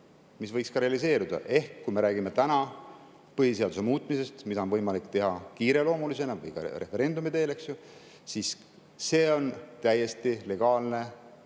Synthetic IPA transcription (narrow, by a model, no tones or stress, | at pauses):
misvɤjkskɑɾeɑlis̬e̞ːɾud̪̥ɑ̰ʔe̞hkːujme̞ɾæːɡime̞t̪ænɑ | pɤɦise̞ɑd̪us̬e̞muːt̪ˑmise̞st̪mid̪ɑonvɤjmɑlikːˑt̪e̞ɦɑkiːɾe̞lo̞ːmulise̞nɑvɤ̰jkɑ̰re̞̰feɾe̞nd̪umid̪e̞ːle̞ksju | sisː | e̞ːo̞nt̪æje̞st̪ile̞ɡ̥ɑːlne̞